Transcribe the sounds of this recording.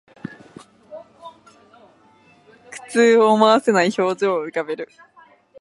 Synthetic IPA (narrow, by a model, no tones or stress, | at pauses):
kɯ̟̥t͡sɨːoːmaβase̞naiço̞ːzɨːɯ̟kabe̞ɾɯ̟